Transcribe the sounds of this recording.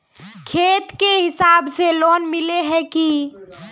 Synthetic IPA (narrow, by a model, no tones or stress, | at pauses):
kʰeːt̪keɦɪsaːbseloːnmɪleɦɛki